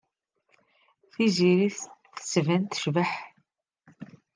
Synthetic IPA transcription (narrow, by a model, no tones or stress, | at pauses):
θiziɾiθθə̥svænt̪ə̥ʃvəħ